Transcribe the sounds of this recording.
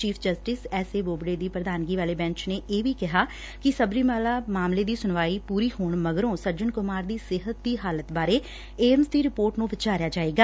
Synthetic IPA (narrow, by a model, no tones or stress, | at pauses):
t͡ʃiːpʰd͡ʒəsʈɪsɛːseːboːbɽeːd̪iːpɾəd̪aːnɡiːʋaːleːbɛ̃ːɲt͡ʃneːʔeːʋiːkɪɦaː | kɪsəbɾiːmaːlaːmaːmleːd̪iːsʊnʋaːiːpuːɾiːhoːɳməɡɾõːsəɾd͡ʒənkʊmaːɾd̪iːsɪɦət̪̚d̪iːɦaːlət̪baːɾeː | eːmsd̪iːɾɪpoːɾʈnũːʋɪt͡ʃaːɾjaːd͡ʒaːeːɡaː